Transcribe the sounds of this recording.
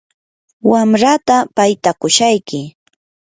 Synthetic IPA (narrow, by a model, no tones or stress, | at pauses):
wamɾat̪apajt̪akʊʃajkɪ